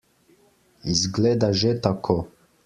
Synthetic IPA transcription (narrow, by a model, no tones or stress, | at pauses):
izɡlɛːd̪aʒɛt̪akʰo